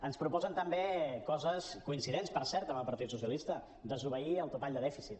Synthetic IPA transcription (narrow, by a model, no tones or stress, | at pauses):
ənspɾupɔzənt̪əmbekɔzəskuinsiðenspəɾsɛɾt̪əməlˠpɐɾt̪it̪susjəlist̪ə | d̪əzuβ̞əiəlˠt̪upaʎd̪əðɛfisit̪